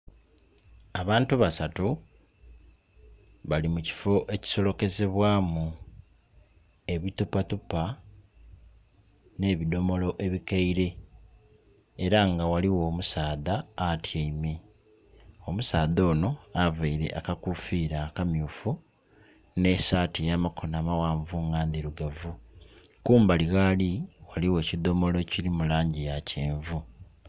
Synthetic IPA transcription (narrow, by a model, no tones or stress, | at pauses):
aβaːntuβasatu | βalimuci̥fo̞ʔe̞ci̥so̞lo̞ke̞ze̞βwaːmu | e̞βitupatupa | ne̞ːβido̞mo̞lo̞ʔe̞βikaiɾe̞ | ɾaŋɡawaliwo̞ːmusaːðaːtʰjeime | o̞musaːðo̞ːno̞avaiɾe̞̰ʔakakufiːɾakamjuːfu | ne̞saːtijamakʰonaːmawaːɱvuŋɡaːndiɾuɡavu | kuːmbaliɣaliwaliwe̞ːcid̪o̞mo̞lo̞cilimulaːɲɟijaceːɱvu